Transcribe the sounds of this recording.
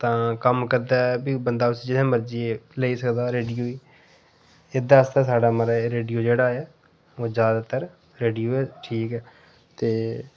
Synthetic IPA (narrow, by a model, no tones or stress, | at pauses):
t̪ãːkəmkəɾd̪aːɛbiːbənd̪aːʊsiːd͡ʒɪnẽːməɾd͡ʒiːeləiːsəkd̪aːɾeːɖijuːiː | ɪd̪aːst̪ãːsaːɖaːməɾaɾeːɖijuːd͡ʒeːɽaːjaː | oːzjaːd̪aːt̪əɾ | ɾeːɖijuːɛːʈʰiːkɛː | t̪eː